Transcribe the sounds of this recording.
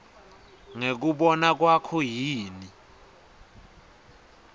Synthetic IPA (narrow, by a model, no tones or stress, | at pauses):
ŋek̬uɓɔnak̬wakʰɔjiːni